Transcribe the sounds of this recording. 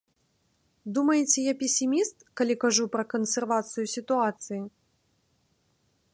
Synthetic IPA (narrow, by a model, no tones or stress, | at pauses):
d̪umɐjɛt͡sʲɛjapʲesʲimʲist̪kalʲikaʐupɾɐkɐnsʲɛrvat̪sɨjusʲit̪uat̪sɨji